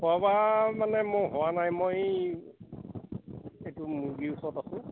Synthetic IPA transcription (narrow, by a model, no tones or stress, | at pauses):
poabamanɛmʊjɦʊwanajmoj | ejtʊmuɡiusɔtasʊ̃